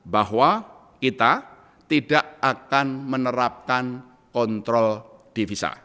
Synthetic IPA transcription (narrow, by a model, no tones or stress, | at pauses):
bahwa | kit̪a | t̪iɖaʔakanmənəɾap̚kan | kɔnt̪ɾɔld̥ifisa̰